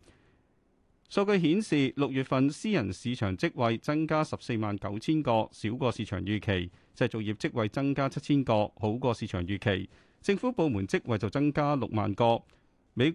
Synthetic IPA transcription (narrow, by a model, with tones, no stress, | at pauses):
sɔ˧wkɵ˧ɥɦiː˨˥nsiː˨lʊ˨k̚jyː˨t̚fɐ˨nsiː˥jɐ˨˩nsiː˨˧t͡ʃʰœ̰ː˨˩ŋt͡sɪ˥k̚wɐ˨jt͡sɐ˥ŋkaː˥sɐ˨p̚se˧jmaː˨nkɐ˨˥wt͡sʰiː˥nkɔː˧siː˨˥wkɔː˧siː˨˧t͡ʃʰœ̰ː˨˩ŋjyː˨˩kʰe˨˩jt͡sɐ˨˩t͡sʊ˨k̚jiː˨˩p̚t͡sɪ˥k̚wɐ˨jt͡sɐ˥ŋkaː˥t͡sʰɐ˥t̚t͡sʰiː˥nkɔː˧ho˨˥wkɔː˧siː˨˧t͡ʃʰœ̰ː˨˩ŋjyː˨˩kʰe˨˩j | t͡sɪ˧ŋfuː˨˥po˨˧wmuː˨˩nt͡sɪ˥k̚wɐ˨jt͡sɐ˨˩wt͡sɐ˥ŋkaː˥lʊ˨k̚ma̰ː˨nkɔː˧ | me˨˧j